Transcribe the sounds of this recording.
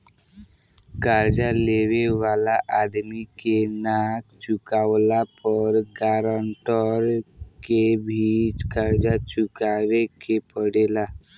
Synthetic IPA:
kaɾd͡ʒaleweʋalaʔad̪mikenakt͡ʃʊkawlapəɾɡaɾəɳʈɔɾkebʱit͡ʃkaɾd͡ʒat͡ʃʊkawekepəɽela

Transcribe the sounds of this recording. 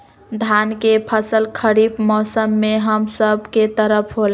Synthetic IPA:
d̪ʱankepʰəsəlkʰəɾibmɔsəmːeɦəmsəbʱket̪əɾəpʰɦol

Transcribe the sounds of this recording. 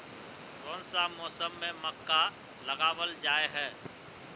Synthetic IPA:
ɾõːnsamɔːsəmːẽməkːa | ləɡaːwəld͡ʒaːeɦɛː

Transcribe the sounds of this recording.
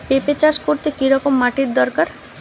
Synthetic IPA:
pepet͡ɕaʃkoɾt̪ekiɾɔkomːaʈiɾd̪ɔɾkaɾ

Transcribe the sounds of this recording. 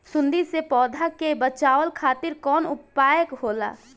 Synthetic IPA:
sʊ̃nd̪isepɔːd̪ʱakebət͡ʃaːʋəlkʰaːt̪ɪɾkɔːnʊppaːjəkɦoːla̰ː

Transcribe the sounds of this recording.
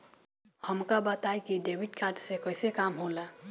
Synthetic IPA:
həmkabat̪aːjkiɖeːbɪʈkʰaːt̪sekəɪsekaːmɦoːlaː

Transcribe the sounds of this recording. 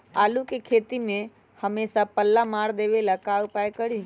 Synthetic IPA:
a̰ːlukekʰeːt̪imẽ | həmesapəlːamaːɽd̪eʋelakaʊpajkəɽi

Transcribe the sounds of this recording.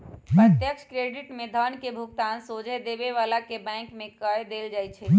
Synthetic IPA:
mt̪jəkskɾeɖiʈmẽd̪ʱənkebʱuɡt̪ansod͡ʒʱɛd̪ebeʋalakebɛ̃kmekəjd̪eld͡ʒajt͡ʃʰɛm

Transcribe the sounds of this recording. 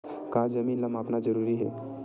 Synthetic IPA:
kad͡zəmiːnləmapnad͡zəɾuɾiːɦḛ

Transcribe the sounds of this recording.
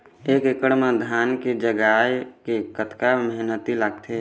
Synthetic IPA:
eːkekəɽmẽd̪ʱjaːnked͡ʒəɡaːjkekət̪kaməɦnət̪ilaɡt̪ʰe

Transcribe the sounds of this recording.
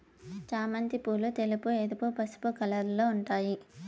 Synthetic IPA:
t͡ʃaːmɐnt̪ipuːlut̪elupueːd̪upupɐsu̥pukɐlɐɾloːuɳʈaːji

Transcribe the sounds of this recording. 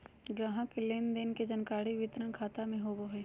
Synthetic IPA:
ɡɾaɦãkeleːnd̪enked͡ʒənkaːɽiʋɪt̪ɾənkʰaːt̪amẽɦoːboɦeː

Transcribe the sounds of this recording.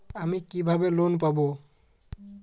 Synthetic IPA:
amikibʱabelonp̬abo

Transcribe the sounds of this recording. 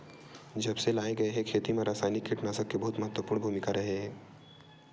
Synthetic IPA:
d͡ʒɐbselaːeɡɐeɦekʰeːt̪imeɾaːsanikːeʈnasəkːebəɦut̪məɦət̪ʋəpʊɾɳbʱuːmɪkaɾɐɦeɦ

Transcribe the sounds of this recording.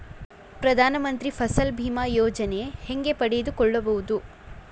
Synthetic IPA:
pɾɐd̪ʱaːnɐmɐnt̪ɾipʰɐsɐlbʱiːmaːjɔːd͡ʒɐneheŋɡe̞pɐɽed̪ukɔɭːɐbɐʋud̪u

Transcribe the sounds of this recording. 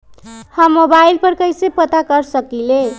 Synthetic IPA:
həmːobailpəɾkəjsepət̪akəɾsəkile

